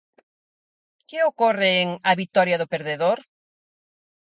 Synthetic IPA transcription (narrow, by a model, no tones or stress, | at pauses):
keokoreːŋɐβit̪ɔɾjaðʊpeɾðeðoɾ